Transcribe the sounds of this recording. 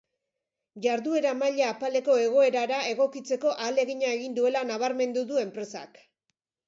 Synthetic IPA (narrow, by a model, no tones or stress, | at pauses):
ʝaɾðue̞ɾamaʎaːpale̞ko̞e̞ɣ̞o̞e̞ɾaɾae̞ɣo̞kit͡se̞ko̞ʔale̞ɣiɲae̞ɣind̪ue̞lanaβaɾme̞nd̪uðue̞mpɾe̞sa̰k